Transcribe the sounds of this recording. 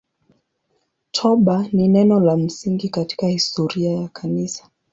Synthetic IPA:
tʰɔɓaninɛnɔlam̩siŋɡikati̥kahistɔɾiajakʰanisḁ

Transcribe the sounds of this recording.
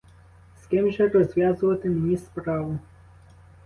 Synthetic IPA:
skɪmʒɛrɔzʲʋʲjazʊʋɐt̪ɪmʲnʲispɾɑʋʊ

